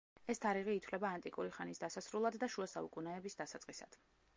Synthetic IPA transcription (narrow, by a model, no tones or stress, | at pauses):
ɛst̪ʰaɾiʁiːt̪ʰwlɛbaːnt̪ʼikʼuɾiχanisd̪asasɾulˠad̪ːaʃuasaukʼunɛɛbisd̪asat̪sʼqʼisa̰d̪̥